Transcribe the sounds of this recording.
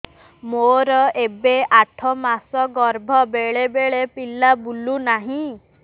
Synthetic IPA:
moɾɔebeaʈʰɔmasɔɡɔɾbʱɔbeɭebeɭepilabulunaɦĩ

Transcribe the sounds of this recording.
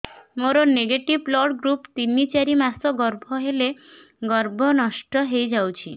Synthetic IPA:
moɾɔneɡeʈiblɔɖɡɾupt̪inːit͡ʃaɾimasɔɡɔɾbʱɔɦele | ɡɔɾbʱɔnɔʃʈɔɦejd͡ʒawt͡ʃʰi

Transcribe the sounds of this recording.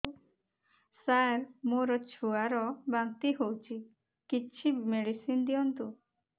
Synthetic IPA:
saɾmoɾɔt͡ʃʰuaɾɔbaŋt̪iɦowt͡ʃʰi | kit͡ʃʰimeɽisind̪iɔnt̪u

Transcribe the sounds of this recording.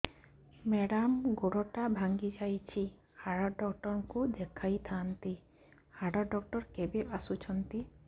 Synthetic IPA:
mɛɽamɡoɽɔʈabʱaŋɡid͡ʒajt͡ʃʰi | haɽɔɖɔkʈɔɾŋkud̪ekʰajt̪ʰant̪i | haɽɔɖɔk̚ʈɔɾkebeʔasut͡ʃʰɔnt̪i

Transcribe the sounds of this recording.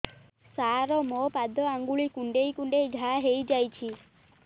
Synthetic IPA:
saɾɔmɔpad̪ɔaŋɡuɭikuɳɖejkuɳɖejɡʱaɦejd͡ʒajt͡ʃʰi

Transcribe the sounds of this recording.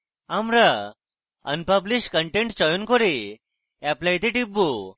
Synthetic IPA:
amɾa | ə̰npəbliɕʈkəɳʈẽɳʈt͡ɕɔjunkɔɾi | ɛplajt̪eʈibu

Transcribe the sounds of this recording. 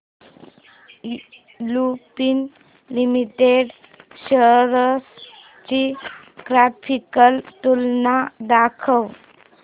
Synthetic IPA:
lupin | limiʈeɖ | ɕəɾəs | t͡ɕi | ɡɾapʰikəlt̪ulnad̪akʰəw

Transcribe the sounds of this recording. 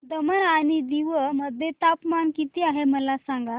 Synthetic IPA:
d̪əməɾaɽ̃id̪iʋəməd̪ʱjet̪apmankit̪iːaɦeməlasãŋɡa

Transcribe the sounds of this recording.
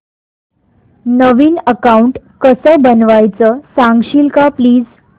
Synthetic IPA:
nəʋiːnəkauɳʈ | kəsəːbənʋajt͡səsãŋɡɕiːlkãpliːd͡z

